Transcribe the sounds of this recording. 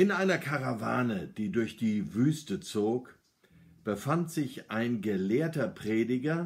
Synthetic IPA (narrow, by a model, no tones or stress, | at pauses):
ʔɪnʔaɪnɐkʰaʁavaːnəd̥iːdʊɐçd̥iːvyːstət͡soːk | b̥əfantz̥ɪçʔaɪnɡəleːɐtɐpʁ̥eːdɪɡɐ